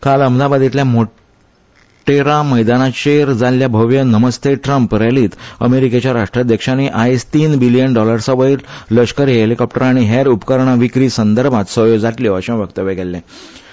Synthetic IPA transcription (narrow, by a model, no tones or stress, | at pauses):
kaləmd̪abad̪it̪ljamo | ʈeɾaməjd̪anaɕeɾd͡zaljabʱəʋjənəməst̪eʈɾəmpɾɛliːt̪əmeɾiket͡ɕjaɾaʂʈɾad̪jəkʂaniʔaest̪iːnbilijənɖɔləɾsəʋəiːlləɕkəɾiɦelikɔp̚ʈəɾaɽ̃iɦeɾupkəɾɳ̃aʋikɾiːsənd̪əɾbʱãt̪səɦjod͡zaʈliʋəɕẽʋjəkt̪əʋjeɡɛlːɛ̃